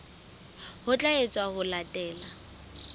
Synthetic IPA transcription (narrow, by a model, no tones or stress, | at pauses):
hʊt͡ɬʼaet͡sʼwahʊlatʼɛːla